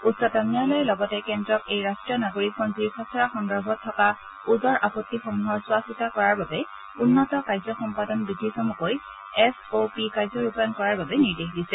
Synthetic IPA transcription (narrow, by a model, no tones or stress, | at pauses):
utsɔtanijalɔjɛlɔɡɔtɛkɛndɹɔkejɹastɹijɔnaɡoɹikʰːɔnziɹkʰɔsɔɹaxɔŋdɔɹbʱɔtʰːɔka | udɔɹʔapɔtːixɔmuɦɔɹsʊwasitakɔɹaɹbabɛ | unːɔtɔkaɹjzɔxɔmpadɔnbidʱːisɔmukoj | ɛsopikajzɔɹupankɔɹaɹbabɛniɹdexdisɛ